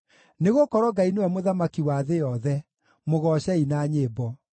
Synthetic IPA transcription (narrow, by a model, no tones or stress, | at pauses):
neɣokɔɾɔɡainewɛmoðamakiwaðejɔðɛ | moɣɔɕɛinaːɲebɔ